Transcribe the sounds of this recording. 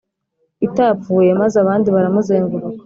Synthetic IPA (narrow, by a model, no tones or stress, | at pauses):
itapp͡fuːje̞mazeaβaːndiβaɾamuzeːŋvuɾu